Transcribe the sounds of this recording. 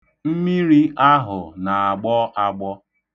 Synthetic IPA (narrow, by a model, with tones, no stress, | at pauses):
m̩˦mi˦ɾi˦ʔa˦ɦʊ˨na˨a˨ɡ͡bɔ˦ʔa˦ɡ͡bɔ˦